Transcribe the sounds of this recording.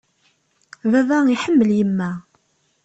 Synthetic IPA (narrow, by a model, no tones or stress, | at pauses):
ðæðæiħəmːəljəmːæ